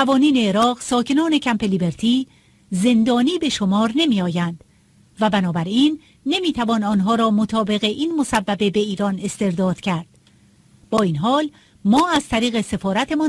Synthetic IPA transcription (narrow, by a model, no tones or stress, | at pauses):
ævɒːniːne̞ːɾɒːɢsɒːcʰe̞nɒːne̞cʰæmpe̞libeɾt̪ʰiː | ze̞nd̪ɒːniːbe̞ʃomɒːɾne̞miːɒːjænd̪̥ | væbænɒːbæɾiːnː | e̞miːt̪ʰævɒːnɒːnɦɒːɾɒːmot̪ʰɒːbe̞ɣe̞ʔiːnmo̞sævːæbe̞be̞iːɾɒːne̞st̪e̞ɾd̪ɒːd̪̥cʰæɾd̪̥ | b̥ɒːiːnɦɒːl | mɒːæzt̪ʰæɾiːɣe̞se̞fɒːɾæt̪ʰe̞mɔ